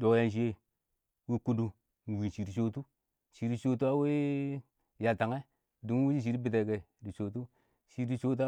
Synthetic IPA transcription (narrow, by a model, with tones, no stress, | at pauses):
do˨ja˦n˦ʃ̬i˦je˦ | wi˦ku˦du˨ | n˨wi˨n˨t͡ʃi˨ɾi˨t͡ʃo˦tu˦˨ | t͡ʃi˨ɾi˦t͡ʃo˦tu˦a˦we˦ | ja˨ta˨ŋe˦˨ | du˨˦i˦d͡ʒi˦ʃ̬i˨ɾi˦bi˨te˨ɡe˨di˨t͡ʃo˨t̬u˦ | ʃi˨di˦t͡ʃo˦t̬a˦